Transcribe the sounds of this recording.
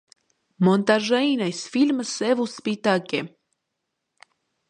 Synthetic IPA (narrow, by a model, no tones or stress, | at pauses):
mɔnt̪aʒainajsfilʲməsɛvuspit̪akʲɛ